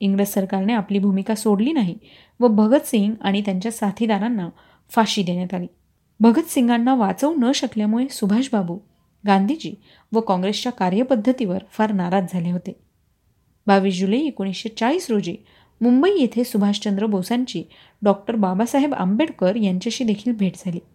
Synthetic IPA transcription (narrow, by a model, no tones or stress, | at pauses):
iŋɡɾessːəɾkaɾneapliːbʱumikasoɽliːnaɦi | ʋəbʱəɡət̪siŋɡaɽ̃it̪jaɲt͡ɕjasat̪ʰid̪aɾanːa | faɕiːd̪eɳjat̪aliː | bʱəɡət̪siŋɡanːaʋat͡səunəɕəkljamuɭesubʱaɕbabuː | ɡãnd̪ʱit͡ɕiː | ʋəkɔ̃ŋɡɾest͡ɕjakaɾjəpəd̪ʱːət̪iʋəɾfaɾnaɾat̪̚d͡zʱaleɦot̪e | baʋiːɕd͡ʑuləiekoɽ̃isɕet͡saɭiːsɾod͡ʑiː | mumbəijet̪ʰesubʱaɕt͡ɕənd̪ɾəbʱəwsaɲt͡ɕiː | ɖɔk̚ʈəɾbabasaɦeba̰mbeɽkəɾjaɲt͡ɕjaɕiːd̪ekʰiːlbʱeʈd͡zʱaliː